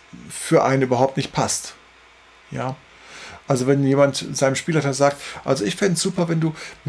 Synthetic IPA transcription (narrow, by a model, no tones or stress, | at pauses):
fyːɐʔa̰ɪnənyːbɐɦaʊp̚tnɪçt̚pʰast | jaː | ʔalzovɛnjeːmantz̥aɪnəmʃpiːlaɪtɐzaːk̚tʔa̰lzoɪçfɪndsz̥uːpɐvɛnduːm